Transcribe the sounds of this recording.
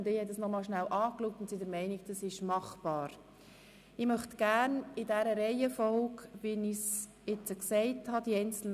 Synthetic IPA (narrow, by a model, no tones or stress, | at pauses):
ndɪːhɛt̚dəsnɔmɑːlʃnæwʔɑːkluk̚tʊntsidəɾmɛɪnɪk̚d̥ɑsɪʃmɑχb̥ɑːɾ | ɪmœχtɡ̥æːɾnɪdæɾəɾɛɪəfɔlkʋɪnɪs | ɪt͡səksɛɪthɑd̥iɛɪnt͡sl̩n